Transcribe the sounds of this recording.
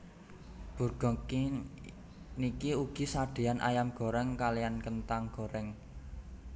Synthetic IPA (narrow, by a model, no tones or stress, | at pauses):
b̥ṳrɡ̥ɔ̤ki | nikiuɡ̥i̤saɖ̥e̤anʔa̰jamɡ̥ɔ̤ɾɛŋkalijankənt̪aŋɡ̥ɔ̤ɾɛŋ